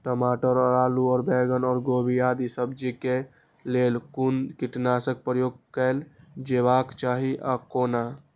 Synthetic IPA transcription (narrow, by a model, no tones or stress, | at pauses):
ʈəmaʈəɾəɾaːluɔːɾbɛɡənɔːɾɡobʱiad̪isəb̚d͡ʒike | lelkunkiʈnasək̚pɾəjoɡ̚kəld͡ʒeβakt͡ʃaɦiʔakoːna